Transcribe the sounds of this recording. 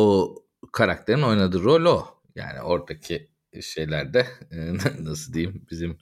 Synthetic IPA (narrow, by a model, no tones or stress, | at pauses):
o | kʰaɾak̚t̪ʰe̞ɾino̞jnad̪ɯːɾo̞lʲo | ja̰ːnḭʔo̞ɾd̪ʰacʰi | ʃe̞jlʲæɾd̪ɛnnasɯd̪ejimbizim